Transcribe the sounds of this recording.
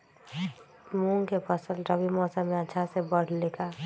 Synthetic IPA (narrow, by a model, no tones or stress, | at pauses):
mũŋkepʰəsəlɾəbimɔːsəmːeətːʃʰasebəɽ̤leka